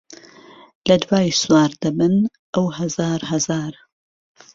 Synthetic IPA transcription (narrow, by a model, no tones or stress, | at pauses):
lɐd̪waːjswaːɾd̪ɐbɨn | ʔɐwhɐzaːɾɦɐzaːɾ